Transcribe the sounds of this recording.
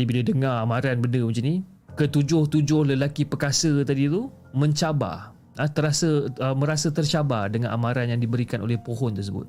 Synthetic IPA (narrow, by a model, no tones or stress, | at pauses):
ibilədəŋaamãɾanbəndəmut͡ʃini | kət̪ud͡ʒʊht̪ud͡ʒʊhləlakipəkasət̪adit̪u | mə̃ɲt͡ʃaba̰ | ət̪əɾasəəmə̃ɾasət̪ərt͡ʃabardəŋãnʔamãɾanjaŋdibəɾikanʔo̰lɛhpoɦɔnt̪ərs̬əbʊ̰t̪̚